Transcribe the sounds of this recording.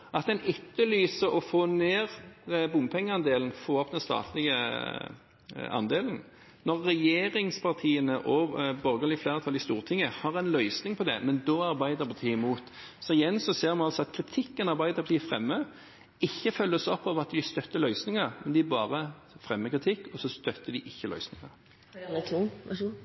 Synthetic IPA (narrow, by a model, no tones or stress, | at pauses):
ʔɑt̪ɛnʏt̪ːəlyːsəɔfoːneːʁbʊmpʰɛŋːəɑnd̪eːln̩foːɔpd̪ɛnst̪ɑ̰ːt̪ʰlɪɡə | ɑ̰nd̪eːln̩ | nɔʁːɛjeːʁɪŋspʰɑʁt̪ʰiːənəʔɔbœɾɡəlɪflæːʁət̪ʰɑlɪst̪uːʁt̪ʰɪŋːəhɑʁɛnlœʏsnɪŋpʰɔd̪ɛ̰mɛnd̪oːɑʁbæɪd̪əʁpʰɑʁt̪ʰiːɪmuːt̪ | sɔɪjɛnsɔseːʁmɑnɑlsɔɑt̪kʰʁɪt̪ʰɪkːənɑʁbæɪd̪əʁpɑt̪iːfʁɛ̰mːə | ɪçːəfœlːəsɔpːɑʋɑt̪d̪ɪst̪œt̪ːəlœʏsnɪŋəʁmɛnd̪ɪbɑːʁə | fʁɛmːəkʁɪt̪ʰɪkːɔsɔst̪œt̪ːəd̪ɪʔɪçːəlœ̰ʏsnɪŋə̰ʁʰ